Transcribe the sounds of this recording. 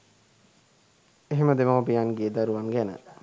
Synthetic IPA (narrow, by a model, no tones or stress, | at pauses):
eɦeməd̪emaʋbijanɡeːd̪aɾuʋaŋɡænə̰